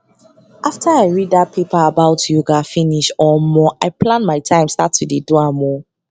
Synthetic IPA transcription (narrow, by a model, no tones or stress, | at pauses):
ʔaftʰaaɪɹidat̚pʰepaːbaʊtʰjuɡafiniʃɔmɔʔaɪpʰlãnmaɪtʰãɪ̃mstatʰudiduamɔ